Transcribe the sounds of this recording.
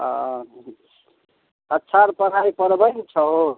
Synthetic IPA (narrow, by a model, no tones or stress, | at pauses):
ətːʃʰaɾpəɽ̤ajpəɾbənt͡ʃʰəɦo